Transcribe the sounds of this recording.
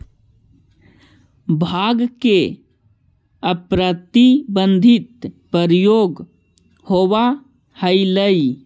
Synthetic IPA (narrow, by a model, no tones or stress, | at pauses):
bʱaːɡke | əpɾət̪ibə̃nd̪ʱit̪̚pəɾjoːɡ | howa | hələi